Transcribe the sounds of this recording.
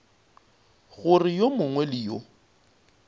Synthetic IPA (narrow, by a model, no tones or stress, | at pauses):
ɣʊrɪjomʊŋwɛlɪjo